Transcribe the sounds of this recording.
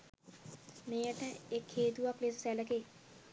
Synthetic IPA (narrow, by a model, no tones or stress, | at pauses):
meːəʈəekheːt̪uʋaklesə̥sɛləkeː